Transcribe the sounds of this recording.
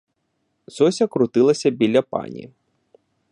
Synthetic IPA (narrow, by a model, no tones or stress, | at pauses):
zɔsʲɐkɾʊt̪ɪlˠɐsʲɐbʲilʲɐpɑ̰nʲḭ